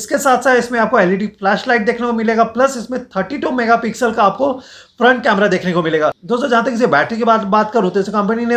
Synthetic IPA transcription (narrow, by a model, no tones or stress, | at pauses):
ɪskesaːt̪ʰsaːt̪ɪsmẽaːp̚koɛːliʈiflɛːʃlaːɪʈ̚d̪eːkʰnekomɪleːɡaplɐsɪsmẽt̪ʰəɾʈiʈuːmɛːɡapɪksəlkaːp̚ko | pɾɐ̃ɳʈkɛːmɾad̪eːkʰnekomɪleːɡaːd̪oːst̪od͡ʒɐɦãt̪̬ekɪs̬bɛːʈɾk̬ibaːt̪baːt̪kɐɾɦõt̪esekɐ̃mpənine